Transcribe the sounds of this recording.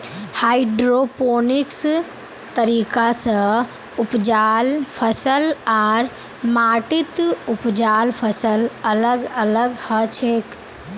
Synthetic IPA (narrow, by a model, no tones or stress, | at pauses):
haːiɖɾopoːniks | t̪əɾiːkasə̃ | ʊpd͡ʒaːlpʰəsəlaːɾ | maːʈit̪ʊpd͡ʒaːlpʰəsələləɡələɡhət͡ʃʰeːk